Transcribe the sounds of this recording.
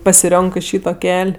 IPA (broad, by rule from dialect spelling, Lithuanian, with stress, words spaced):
pɐsʲɪˈrʲoːŋkɜ ˈʃʲiːtoː ˈkʲɛlʲ